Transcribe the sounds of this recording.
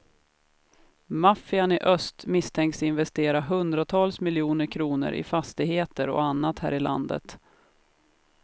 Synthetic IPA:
mafɪanɪʔœst̪mɪst̪ʰɛŋksɪnvɛst̪eːɾaɦɵnd̪ɾat̪ʰɑːlsmɪljuːnəɾkʰɾuːnə̰ɾʔɪ̰fast̪ɪɡheːt̪əɾɔ̰anːat̪hæ̰ːɾɪla̰nd̪ə̰t̪

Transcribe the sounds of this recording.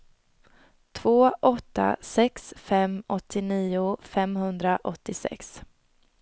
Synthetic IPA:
t̪ʰv̥oːʔɔt̪ːa̰sɛksfɛmɔt̪ʰːɪniːʊfɛmhɵnd̪ɾaʔɔt̪ːɪsɛ̰ks

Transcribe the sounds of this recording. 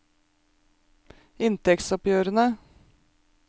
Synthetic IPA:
ɪnt̪ɛk̪sɔpjøːɾənə

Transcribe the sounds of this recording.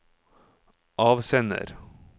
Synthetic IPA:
ʔɑːʋsɛnə̰ɾ

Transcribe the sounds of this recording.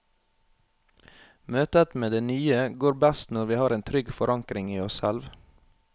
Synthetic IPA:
møːt̪ət̪meːd̪eːnyːəɡoːɾbæst̪nɔɾʋiːhɑːɾeːnt̪ʰɾʏɡfɔɾʔɑŋkɾɪŋiːɔssɛlʋ

